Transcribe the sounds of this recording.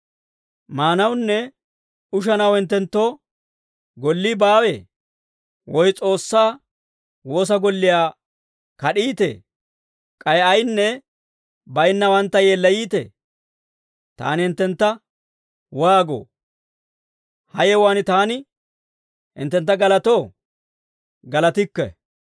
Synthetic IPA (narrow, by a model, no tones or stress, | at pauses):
maːnɐwnːɛ | ʊʃ̬ɐnɐwhɪnt̪ːɛnt̪ːo̞ː | ɡɔlːiːbaːwḛː | wɔjt͡sʼo̞ːsːaː | wo̞ːs̬ɐɡɔlːɪjaː | kɐɗiːt̪ḛː | kʼɐjɐjnːɛ | bɐjnːɐwɐnt̪ːɐjeːlːɐjiːt̪ɛ̰ː | t̪a̰ːnɪhɪnt̪ːɛnt̪ːɐ | waːɡo̰ː | hɐjɛwaːnɪt̪aːnɪ | hɪ̰nt̪ːɛnt̪̬ːɐɡɐlɐt̪o̞ː | ɡɐlɐt̪ɪkːɛ̰